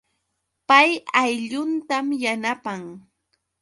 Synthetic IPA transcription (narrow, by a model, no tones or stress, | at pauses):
pajajʎʊnt̪amjanapaŋ